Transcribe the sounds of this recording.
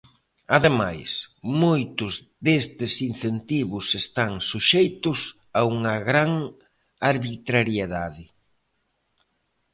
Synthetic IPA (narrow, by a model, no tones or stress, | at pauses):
aðemajsmojt̪ʊz | d̪est̪ɪsin̟θent̪iβʊsest̪aŋsuʃejt̪ʊs | auŋɐɣɾaŋ | aɾβit̪ɾaɾjeðaðɪ